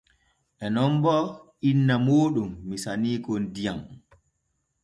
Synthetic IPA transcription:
ʔɛnɔmbɔʔinːamoːɗumːisaniːkɔndijam

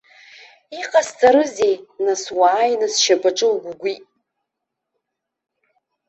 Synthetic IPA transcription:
iqʼast͡sʼaɾɨzejnaswaːjnɨsʃapʼaʈ͡ʂʼɨwɡʷuɡʷi

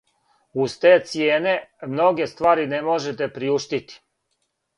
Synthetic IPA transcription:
uzt̪eːt̪sjeːne̞mno̞ɡe̞st̪ʋaːɾinemo̞ʒet̪̬e̞pɾiuʃt̪it̪i̥

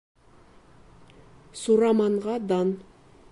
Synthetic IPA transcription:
suɾɑmɑɴʁɑd̪ɑn

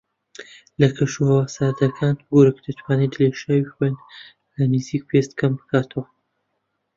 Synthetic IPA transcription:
lɐkʰɐʃuhɐwasaːd̪ɐkʰaːnɡoɾɨkd̪ɐt̪ʰwaːned̪ɨleʃaːwixwen | lɐnɨzik̚pʰest̪kʰɐmbɨkʰaːt̪ʰəwɐ

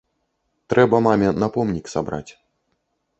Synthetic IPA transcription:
t̪ɾɛbɐmamʲɛnɐpɔmnʲiksabɾa̰t͡sʲ

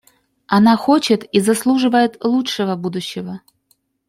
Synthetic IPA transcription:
ɐnaxot͡ɕɪt̪izɐslˠuʐɨvəjɪt̪lˠuʂɨvəbud̪ʊɕːɪvə

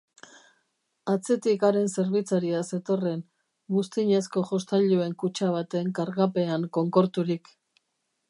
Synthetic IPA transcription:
at͡se̞t̪ikaɾe̞nse̞ɾβit͡saɾiase̞t̪o̞re̞n | ɡust̪iɲe̞sko̞ʝo̞st̪aʎue̞ŋkut͡ʃaβ̞at̪e̞ŋkaɾɣape̞aŋko̞ŋko̞ɾt̪uɾik

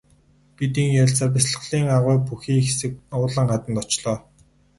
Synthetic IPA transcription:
pit̪iːŋjaɮt͡sə̆ːrpasɮə̥̆ɮiːŋaʁʊːpuxiːŋxesɘ̆k̚ʊːɮə̆ɴχat̪ə̆nt̪ɔt͡ɕɮɔː

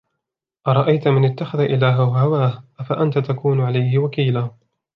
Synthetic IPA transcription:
ʔɑɾˤɑʔajt̪mɪnɪt̪ːaxaðaʔɪlaːɦawahawaːhʔafaʔant̪at̪akuːnʕalajhɪwakiːlaː

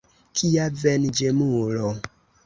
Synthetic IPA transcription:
kʰijavɛnd͡ʒemulo

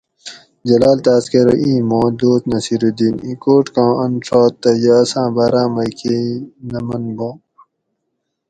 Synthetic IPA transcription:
d͡ʑɐlaːlt̪aːskeɾoʔĩːmõːd̪oːt̪nɐsiɾud̪iːnḭ̃ːkoːʈkãːɐnʈ͡ʂɔːt̪ːɐjɐːsãːbaːɾãːmɐjkʰeinɐmɐnbõː

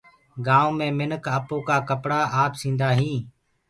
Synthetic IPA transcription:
ɡãːʋmẽːmɪnəkʰəːpoːkaːkəpɽaːaːpsĩːnd̪aːɦĩː

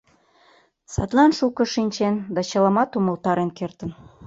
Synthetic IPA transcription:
sɑ̰t̪lɑnʃukɤ̆ʃinʲt͡ɕend̪ɑt͡ɕəlɑmɑt̪uməlt̪ɑɾenkert̪ən

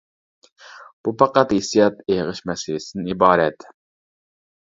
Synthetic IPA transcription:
b̥upʰɑqæt̪hesijɑt̪eʁəʃmɛsɪlɪsɪnɪibɑːɾɛt̪

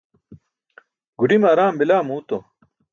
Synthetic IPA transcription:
ɡuɖimaːɾaːmbilaːmuːt̪o

